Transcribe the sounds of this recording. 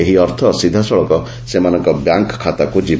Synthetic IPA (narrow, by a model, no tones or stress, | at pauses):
eɦiɔɾt̪ʰɔsid̪ʱːasɔɭɔkɔ | semanɔŋkɔbjaŋkkʰːat̪akud͡ʒib